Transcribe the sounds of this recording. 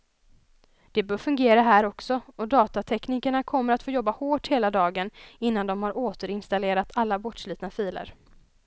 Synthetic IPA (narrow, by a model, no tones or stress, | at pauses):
d̪̥ɛbœːɾfɵŋɡeːɾaɦæːɾɔksɔɔd̪ɑːt̪at̪ʰɛkniːkəɳakʰɔmːəɾat̪foːjɔbːahoːʈheːlad̪ɑːɡənɪnːand̪ɔmhaɾʔoːt̪əɾɪnst̪aleːɾat̪ʰalːabɔʈʂly̟ːt̪nafiːlə̰ɾ